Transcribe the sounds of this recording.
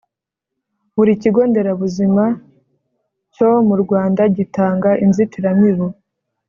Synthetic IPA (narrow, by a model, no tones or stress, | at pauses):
βuɾiciɡo̞ːnde̞ɾaβuzima | co̞muɾɡwaːndaɟitaːŋɡaʔinzitiɾamiβo